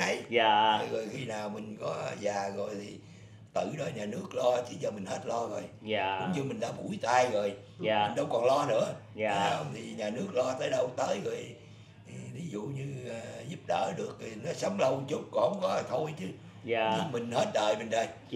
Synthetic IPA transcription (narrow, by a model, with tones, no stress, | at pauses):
ə˨˦jaː˨˩˨ɣo˨˩jxi˧naː˨˩wmï˨˩ŋ̟kɔ˨˦zaː˨˩ɣo˨˩jt̪ʰi˨˩ | t̪ɨ̰˧˩ɗɔ˨˦ɲaː˨˩nɨ˦˥ək̚lɔ˧t͡ɕḭ˧˩t͡ɕɔ˧mï˨˩ŋ̟hə˦˥t̚lɔ˧ɣo˨˩jʊ̰˨˦ŋ͡mɲɨ˧mi̟˨˩ɗa̰ː˧˥ɓṵ˧˩jt̪aː˧jɣo˨˩j | mː˨˩˨ŋ̟ɗə˧wŋ͡mkɔ˨˩nlɔ˧nɨ̰˧˥ə˨a˨˦ə˧wŋ͡mt̪ʰi˨˩ɲaː˨˩nɨ˦˥ək̚lɔ˧t̪əː˨˦jɗə˧wt̪əː˨˦jɣo˨˩j | vʰi˨˦zṵ˧˨ɲɨː˧˨˩zu˦˥p̚ɗə̰ː˧˩ɗɨ˨˩ək̚nɔ˨˦sə˨˦wŋ͡mlə˧wt͡ɕu˦˥k͡p̚kɔ˨˩hə˧wŋ͡mkɔ˨˦t̪ʰo˧jt͡ɕɨ˧˦ | a˨˧˩ɲɨ˧mï˨˩ŋ̟he˦˥t̚ɗəː˨˩jme˨˩nɗəː˨˩j